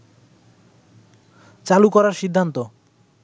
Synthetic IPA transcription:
t͡ɕalukɔɾaɾʃid̪ʱːant̪o

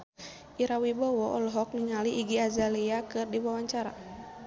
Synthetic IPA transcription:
ʔiɾawibɔwɔʔɔlɔɦɔk̚niŋaliʔːɡiazaliakɨrdiwawaɲt͡ʃaɾa̰

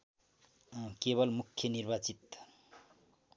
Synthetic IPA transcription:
keβʌlmukʰːjʌnirbat͡sit̪

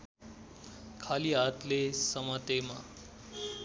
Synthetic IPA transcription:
kʰaliɦat̪lesəmat̪ema

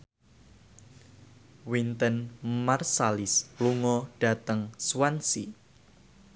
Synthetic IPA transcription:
wint̪ənmarsalɪsluŋɔɖ̥a̤t̪əŋswansi

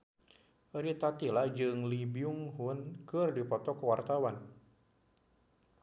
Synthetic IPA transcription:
ɾit̪at̪ilahd͡ʒɨŋlibiuŋɦʊnkɨrdipɔt̪ɔkəwart̪awan

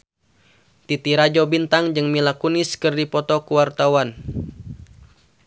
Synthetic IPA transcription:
t̪it̪iɾad͡ʒɔbint̪aŋd͡ʒɨŋmilakunɪskɨrdipɔt̪ɔkuwart̪awan

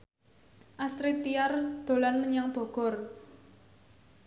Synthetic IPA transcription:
ʔasɾit̪iard̪̥o̤lanməɲaŋb̥ɔ̤ɡ̥ɔ̤r

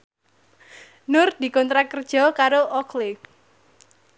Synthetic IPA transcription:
nʊrd̪̥i̤kɔnt̪ɾakərd̥ʒ̥ɔ̤kaɾoʔɔklɪ

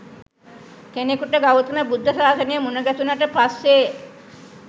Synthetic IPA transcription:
kenekuʈəɡawut̪unəbud̪ʱːəsaːsənejəmunəɡæt̪unaʈəpasːe

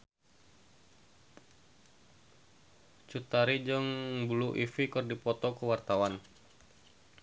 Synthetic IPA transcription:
t͡ʃut̪aɾid͡ʒəŋbuluʔifikɨrdipɔt̪ɔkəwart̪awan

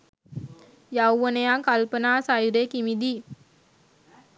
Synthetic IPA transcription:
jawʋənəjakalpənaːsajuɾekimid̪i

